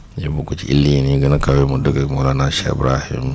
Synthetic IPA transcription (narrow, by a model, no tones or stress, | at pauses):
jibukut͡ʃḭʔḭlːiniɡənakawemudəɡamulanaʃeḭbɾahḭm